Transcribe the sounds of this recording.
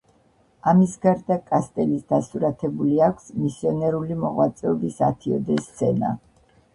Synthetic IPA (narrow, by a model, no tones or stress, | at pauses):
amisɡaɾd̪akʼast̪ʼɛlisd̪asuɾat̪ʰɛbuliakʷʰsmisiɔnɛɾulimɔʁwat̪sʼɛɔbisat̪ʰiɔ̰d̪ɛst̪sʰɛna̰